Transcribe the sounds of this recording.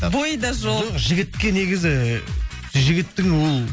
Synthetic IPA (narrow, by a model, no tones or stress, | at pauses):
bojd̪ɑʒolʒɪɡʲɪt̪kʲe̞ne̞ɡʲɪzɪ | ʒɪɡʲɪt̪ːɪŋwolˠ